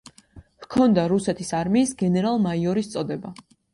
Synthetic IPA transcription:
v̥kʰɔnd̪aɾusɛt̪ʰisaɾmiːsɡɛnɛɾalˠmaiɔɾist̪sʼɔd̪ɛba

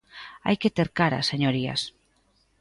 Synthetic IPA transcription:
a̰jket̪eɾkaɾɐ̰seɲoɾiɐ̰s

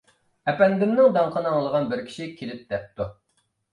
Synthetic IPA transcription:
ɛpɛnd̪ɪmnɪŋd̪ɑɴqʰənɨŋlˠəʁɑnbɪɾkʲʰi̥ʃikʲʰelɪp̚d̪̥ɛp̚t̪u

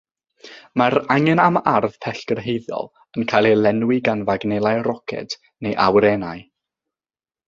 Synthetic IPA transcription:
maɾaŋɛnamarð̥pʰɛɬkərɦejðjɔ̰lˠ | ənkʰajlˠilɛnwɪɡanvaɡnɛlˠajrɔkʰɛ̰t | nejʔawɾɛnaɨ

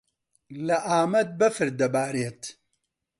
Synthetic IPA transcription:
lɐʔaːmɐt̪̚bɐfɨɾd̪ɐbaːɾeːt̪

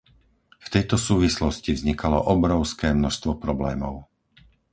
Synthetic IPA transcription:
ft̪ɛjt̪ɔsuːʋislɔscivzɲikalɔ̰ʔɔbɾɔʊskɛːmnɔʃst̪ʋɔpɾɔblɛːmɔʊ

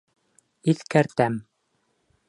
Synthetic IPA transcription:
iθkæɾt̪æm

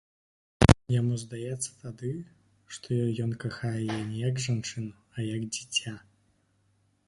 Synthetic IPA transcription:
jamuzd̪ajɛt̪sːɐ̥t̪ad̪ɨ | ʂt̪ʰɔjɔnkaxajɛjɛnʲɛjɐɡʐant͡ʂɨn | ɐjɐɡd͡zʲit͡sʲa

